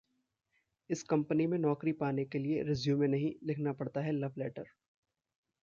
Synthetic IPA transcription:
ɪskɐ̃mpənimẽnɔːkɾipaːnekelieɾɪzjũmẽnɐɦĩlɪkʰnapɐɽt̪aɦɛlɐʋlɛːʈəɾ

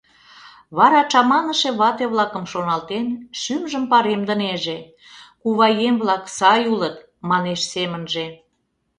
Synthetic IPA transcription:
βɑɾɑt͡ʃɑmɑnəʃeβɑt̪eβlɑkə̆mʃonɑlt̪enʃymʒəmpɑɾemd̪ə̆neʒe | kuβɑjemβlɑksɑjulət̪ | mɑneʃsemənʒe

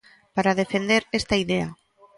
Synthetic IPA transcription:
paɾað̞efend̪eɾest̪aiðea

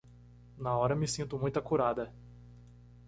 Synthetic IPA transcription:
nɐɔɾɐmɪsĩnt̪ʊmũj̃t̪ɐkuɾad̪ɐ

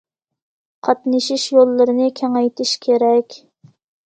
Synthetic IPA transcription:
qʰɑt̪nɨʃiʃjolˠːɨɾɨnɨkʲʰɛŋɛjt̪ʰɪʃkʲʰeɾɛkʲ

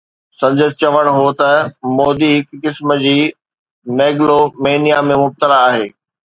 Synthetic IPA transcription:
sɐ̃ɲd͡ʑəst͡ɕɐʋəɽ̃ɦot̪ɐmɔːd̪iɦɪkːɪsmə̆d͡ʑiː | neːɡlomeːnijamẽmʊb̚t̪əlaːɦeː

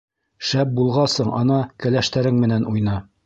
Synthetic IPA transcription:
ʃæp̚bulˠʁɑsɤɴʔɑ̰nɑkɘ̆læʃt̪æɾɘŋmɘ̆nænʔujnɑ

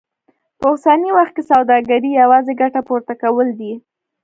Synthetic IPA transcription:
pəʊsaniwaxt̪̚kesawd̪ɑɡaɾijawɑzeɡaʈapoɾt̪akawəld̪i

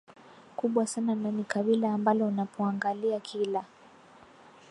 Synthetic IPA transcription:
kuɓwasanananikaɓilaːmbalɔunapʰɔaŋɡaliakʰila

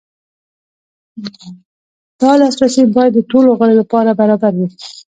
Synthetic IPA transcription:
d̪̥ɑlɑsɾasebɑjad̪ːəʈoloɣəɽolapɑɾabaɾɑbaɾwi

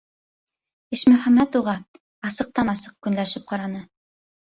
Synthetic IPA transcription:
iʃmɵ̆χæmæt̪uʁɑ | ɑsɤ̆q̚t̪ɑnɑsɤq̚kɵ̆nlæʃɘp̚qɑɾɑnɤ

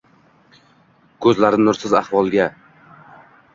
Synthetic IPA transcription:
kʰɵzlaɾɪnʊɾsɪzahvɒlˠɡʲa

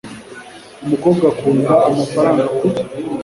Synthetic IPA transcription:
umukoːbɡakuːŋɡaːmafaɾaːŋɡaku

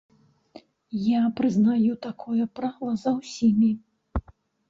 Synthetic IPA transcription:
japɾɨznajut̪akʰɔjɛpɾalˠɐzɐwsʲimʲi

